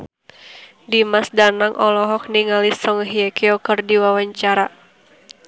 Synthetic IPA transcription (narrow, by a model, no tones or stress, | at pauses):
dimasdanaŋʔɔlɔɦɔk̚niŋalisɔŋɦiɛkiɔkɨrdiwawaɲt͡ʃaɾa